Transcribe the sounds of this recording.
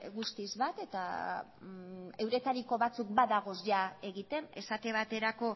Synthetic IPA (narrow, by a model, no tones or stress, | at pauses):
ɣust̪izβat̪e̞t̪a̰ | e̞wɾe̞t̪aɾiko̞βat͡suk̚baðaɣ̞o̞zʝae̞ɣit̪e̞ne̞sat̪e̞βat̪e̞ɾako̞